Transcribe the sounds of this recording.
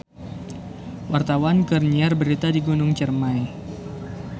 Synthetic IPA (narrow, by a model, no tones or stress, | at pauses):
wart̪awankərɲiarbəɾit̪adiɡunʊŋt͡ʃərmaj